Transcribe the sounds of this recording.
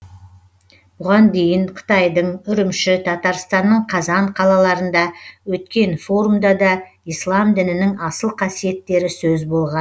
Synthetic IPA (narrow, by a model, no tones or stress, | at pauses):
bʊʁɑnd̪e̞jɪɴqʰə̥t̪ɑjd̪əɴʏɾɪmʃɪt̪ʰɑt̪ɑɾst̪ɑnːəɴqʰɑzɑɴqʰɑlˠɑlˠɑɾənd̪ɑwɵt̪kʲe̞nfo̞ɾumd̪ɑd̪ɑ | ijslˠɑmd̪ɪnɪnɪŋɑsəlˠqʰɑsije̞t̪ːe̞ɾɪsɵzbo̞lˠʁɑn